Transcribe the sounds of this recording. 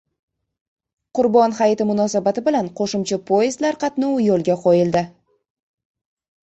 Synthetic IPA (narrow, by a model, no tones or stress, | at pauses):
qʰʊɾbɒnhajt̪ɪmʊnɒsabat̪ɪbɪlanqʰoʃʊmt͡ʃʰapʰojɪzlaɾqʰɑt̪nuwjolˠɡʲaqʰojɪld̪ɪ